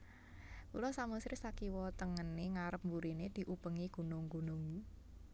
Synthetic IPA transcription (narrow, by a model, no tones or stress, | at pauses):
kulɔsamusɾɪsakiwɔt̪əŋənːeŋaɾəp̚mbuɾined̪̥i̤ʔupəŋiɡ̥ṳnʊŋɡṳnʊŋ